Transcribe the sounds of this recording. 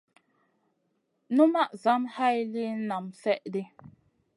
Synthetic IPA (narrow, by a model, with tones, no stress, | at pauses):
nu˦ma˦ʔza˨˦mha˦jli˦na˨msɛ˦ʔdi˦